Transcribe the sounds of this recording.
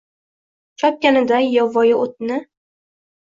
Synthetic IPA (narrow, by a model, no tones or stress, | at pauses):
t͡ʃʰɒp̚kʲanɪd̪ajɒvɒjɪot̪̚nɪ